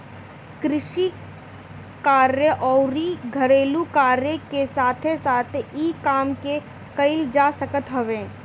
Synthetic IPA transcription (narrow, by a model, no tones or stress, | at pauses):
kɾɪʃi | kaːɾjəʔɔːɾiɡʱɐɾeːlukaːɾjekesaːt̪ʰesaːt̪ʰiːkaːmke | kɐɪld͡ʒaːsəkət̪ɦɐʋẽː